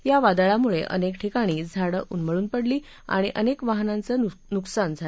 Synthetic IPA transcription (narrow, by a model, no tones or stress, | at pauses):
jaʋad̪aɭamuɭeʔə̰nekʈʰikaɽ̃iːd͡zʱaɽəʔunməɭuːnpəɽliː | a̰ɽ̃iʔənekʋaɦnant͡sənuksand͡zʱa